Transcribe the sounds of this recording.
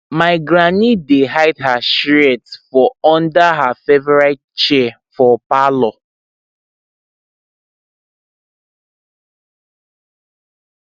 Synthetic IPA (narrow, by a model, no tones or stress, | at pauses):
maɪɡɾanideɦaɪtɦaʃiɾɛtfɔɔ̃ndaɦafevɛɾaɪtt͡ʃe | fɔpalɔ